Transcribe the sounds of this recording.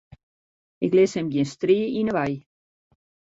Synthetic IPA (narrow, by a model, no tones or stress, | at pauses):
ɪklɪshɛmɡiənstriːinəʋaj